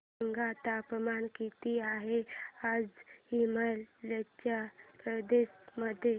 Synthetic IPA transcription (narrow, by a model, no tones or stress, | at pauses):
ŋɡat̪apəmankit̪iaɦead͡zhiməllət͡ʃapɾəd̪esməd̪ʱje